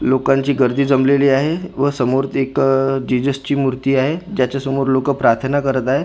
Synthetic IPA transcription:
lokãɲt͡ɕiːɡəɾd̪ʱiːd͡zəmleliːaɦeʋəsəmoɾt̪ʰekd͡ʑid͡zəst͡ɕiːmuɾt̪iːaɦed͡ʑjat͡ɕasəmuɾlokəpɾaɾt̪ʰənakəɾət̪aɦe

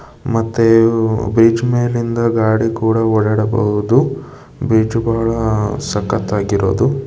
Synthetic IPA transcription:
mɐt̪ːebɾiːd͡ʒmeːlind̪ɐɡaːɽikuːɽɐɔɽɐɽɐbɐ̰ɦud̪u | bɾiːd͡ʒbaːɭɐsɐkːɐt̪ːaːɡiɾo̰ːd̪u

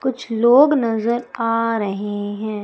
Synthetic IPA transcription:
kʊt͡ʃʰloːɡnɐzəɾaːɾɐɦeɦɛ̃ː

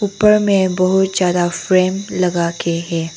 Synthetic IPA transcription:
ʊpːəɾmẽbɐɦʊt̪̚z̥jaːd̪afɾeːmlɐɡaːkeɦɛ̃ː

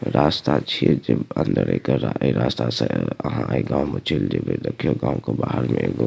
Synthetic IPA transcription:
ɾaːst̪at͡ʃʰied͡ʒəbə̃nd̪əɾeːkəɾaiɾaːst̪asaəɦãʔeɡãːmet͡ʃʰild͡ʒebʱeɾəkʰijoɡãːõkobaːɦəɾmẽɡo

